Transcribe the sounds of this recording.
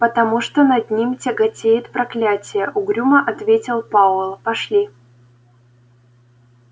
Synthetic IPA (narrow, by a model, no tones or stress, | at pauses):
pət̪ɐmuʂt̪onɐd̪ʲnʲimʲtʲɪɡɐtʲejɪt̪pɾɐklʲætʲɪjəʔʊɡɾʲuməʔɐt̪vʲetʲɪlˠpavlˠpɐʂlʲi